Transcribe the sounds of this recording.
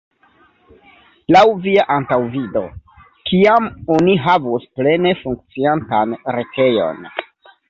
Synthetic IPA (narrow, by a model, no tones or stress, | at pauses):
lawviaʔantawvido̞̰ | kiamo̞niɦavusple̞ne̞fuŋk̚t͡siantanɾe̞tʰe̞jo̞̰n